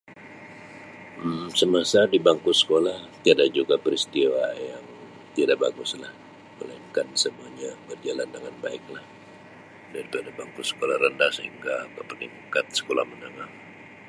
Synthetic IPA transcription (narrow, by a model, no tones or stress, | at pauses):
səmasadibaŋkʊsə̥kolaht̪iadad͡ʒuɡapəɾist̪iwajaŋ | t̪iadabaɡʊslah | məlaɪŋkansəmuaɲabərd͡ʒalandəŋanbaɪk̚lah | daɾipadabaŋkʊsə̥kolahɾəndahsəhiŋɡakəpəniŋkat̪̚sə̥kola̰hmənəŋaŋ